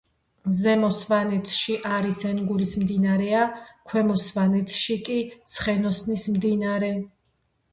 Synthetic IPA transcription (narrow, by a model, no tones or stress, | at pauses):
zɛmɔsvanɛt̪ʰʃiʔaɾisɛnɡuɾismd̪inaɾɛakʰwɛmɔsvanɛt̪ʰʃikʼit̪sʰχɛnɔsnismd̪inaɾɛ